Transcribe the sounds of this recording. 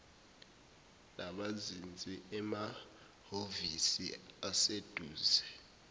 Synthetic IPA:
nʔaɓazind͡zʱʼiʔɛma | hovisḭased̥ʱuːzɛ

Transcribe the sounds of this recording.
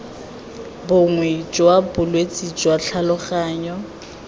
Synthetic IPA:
bʊŋwɛd͡ʒwabʊlwet͡sʼid͡ʒwaɬʰalʊχaːɲɔ

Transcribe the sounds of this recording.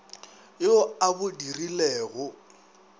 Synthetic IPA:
joabʊdirilɛːɣʊ

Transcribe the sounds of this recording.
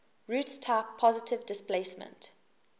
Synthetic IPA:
ɹuːtstʰaɪpʰːɔzɪtʰɪvdɪspleɪsmə̰̃nt

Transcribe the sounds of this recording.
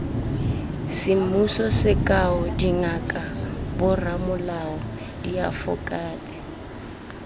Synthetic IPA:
sɪm̩usɔsɪkʼaɔdiŋakʼabʊramʊlaɔ | diafʊ̰kʼaːtʼɛ

